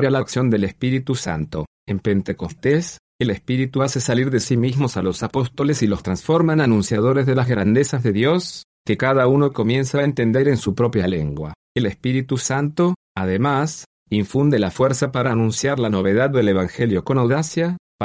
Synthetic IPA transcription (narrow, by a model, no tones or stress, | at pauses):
alaksjo̞nd̪e̞lespiɾit̪usa̰nt̪o̞̰ | empe̞nt̪eko̞st̪es | elespiɾit̪uasesaliɾðesimizmosalo̞sapo̞st̪o̞lesilo̞st̪ɾansfo̞ɾmananũnsjaðo̞ɾezðe̞lazɣɾand̪esazðe̞ðjo̞skekað̞aunoko̞mje̞nsaent̪e̞nd̪eɾe̞nsupɾo̞pjalḛŋɡwa̰ | elespiɾit̪usant̪o̞ | að̞emas | iɱfund̪elafweɾsapaɾanũnsjaɾlano̞βe̞ð̞ad̪̚dːe̞le̞βaŋxe̞ljo̞ko̞nawðasja